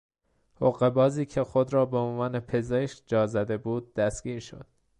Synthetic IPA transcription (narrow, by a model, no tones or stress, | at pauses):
hoɣebɒːziːcʰe̞xod̪ɾɒːbeonvɒːne̞pʰe̞ze̞ʃd͡ʒɒːzæd̪e̞buːd̪̚ːæst̪ɡ̥ʲiːɾʃo̞̰d̪̥̚